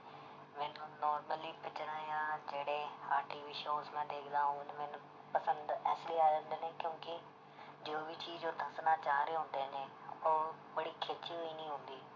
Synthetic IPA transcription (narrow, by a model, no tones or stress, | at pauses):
meːnũːnɔːɾməliːpɪt͡ʃɾaːjãːd͡ʒeːɽeːaːʈiːʋiːʃoːsmɛ̃ːd̪eːkʰd̪aːɦũːnmeːnũ | pəsə̃nd̪ɛːsliːaːd͡ʒənd̪eːnẽːkjõːkɪ | d͡ʒoːbit͡ʃiːd͡ʒoːd̪ʱəsnaːt͡ʃaːɦɾeːɦʊ̃nd̪eːneː | oː | bəɽiːkʰet͡ʃiːɦoːiːnĩːɦʊ̃nd̪iː